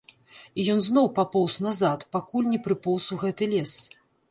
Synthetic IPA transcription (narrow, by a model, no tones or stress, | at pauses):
ijɔnznɔwpapɔwsnazat̪pakulʲnʲɛpɾɨpɔwsuɣɛt̪ɨlʲɛs